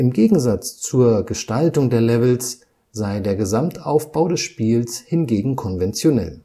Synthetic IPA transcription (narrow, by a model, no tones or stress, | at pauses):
ʔɪmɡeːɡŋ̩zat͡st͡suːɐɡəʃtaltʊŋdeːɐlɛvl̩s | z̥aɪdeːɐɡəzamtʰʔaʊfb̥aʊɾɛsʃpiːlshɪnɡeːɡŋ̩kʰɔnvɛnt͡sjonɛ̰l